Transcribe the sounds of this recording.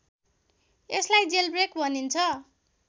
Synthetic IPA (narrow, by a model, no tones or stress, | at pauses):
eslajd͡zelbrekbʱʌnint͡sʰʌ